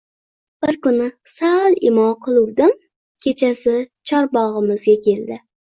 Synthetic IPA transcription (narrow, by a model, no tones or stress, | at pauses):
b̥ɪɾkʊnɪsalˠɪmɒmqʰɨlˠʊwd̪ɪm | kʲʰe̞t͡ʃʰasɪt͡ʃʰɒɾbɒʁɨmɪzɡʲakʲʰe̞lˠd̪ɪ